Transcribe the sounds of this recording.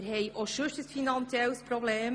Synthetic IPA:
ɾɦɛjʔoʃʉʃtəsfinɑnt͡siɛlspɾɔbleːm

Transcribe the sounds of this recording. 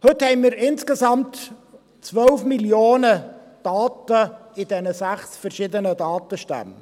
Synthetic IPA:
hɵthɛɪmiːɾɪnskezɑmt̪ | t͡svœlfmiljoːnə | d̥ɑːtəɪd̥ɛnəsæχsfɛɾʃɪd̪ənədɑːtəʃtæ̰m

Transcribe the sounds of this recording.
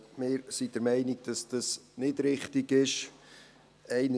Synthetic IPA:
mɪːɾsid̥əɾmɛɪniɡ̥̚d̥ɑsd̥ɑsnɪdɾɪχtiɡɪʃ | ɛɪn

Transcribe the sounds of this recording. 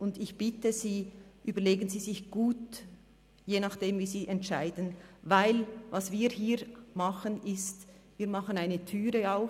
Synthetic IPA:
ʔʊndɪçb̥ɪtəziːʔyːbɐɾleːɡənziːzɪçɡ̥uːt | jeːnɑχd̥eːmviːziːʔɛntʃaɪdən̩vaɪlvɑsv̥iːɾhiːɾmɑχənʔɪst | viːɾmɑχənaɪnətʰyːɾəaʊx

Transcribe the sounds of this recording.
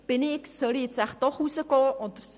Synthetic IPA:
b̥ɪnɪksœliɛt͡sæχd̥̪ɔχusəɡɔːʔɔd̥̪əɾ

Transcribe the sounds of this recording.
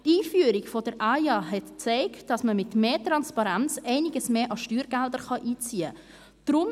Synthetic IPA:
tiːfyəɾikfɔdəɾʔɑjɑɦɛtt͡sɛɪktd̥ɑsməmɪtmeːtɾɑnspɑɾɛnt͡sɛɪnɪɡəsmeːʔɑʃtyːɾɡ̥ældəɾχɑʔiːt͡siːə | d̥ɾʊm

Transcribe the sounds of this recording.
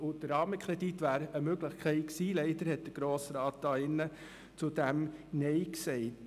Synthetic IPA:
ʊd̥əɾɑːməkʰɾɛd̥itʋæːɾəmøɡləχkʰɛɪksiːlɛɪd̥əɾhɛt̚d̥əɾɡ̥ɾoːsɾɑːt̚d̥ɑːɪnːə | t͡sʊdæmnɛɪksɛɪt

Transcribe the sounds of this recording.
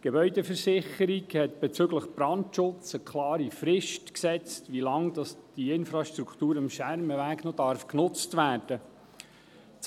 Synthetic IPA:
ɡ̥ebœʏdəfəɾsɪχəɾiɡhɛtb̥ɛt͡søɡləχb̥ɾɑntʃʊt͡səkʰlɑːɾifɾɪʃtksɛt͡stʋilɑŋd̥ɑsd̥iɪnfɾɑʃtɾukʰtuːɾɑmʃæɾməʋæːɡnɔdɑɾfknʊt͡stvæːɾd̥ə

